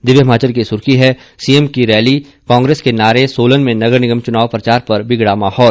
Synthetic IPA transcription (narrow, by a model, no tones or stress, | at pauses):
d̪ɪʋjəmaːt͡ʃəɾkisʊɾkiɦɛ | siemkiɾɛːli | kãːŋɡɾeːskenaːɾesoːlənmẽnɐɡəɾnɪɡəmt͡ʃʊnaːʋpɾɐt͡ʃaːɾpɐɾbɪɡɽamaːhɔːl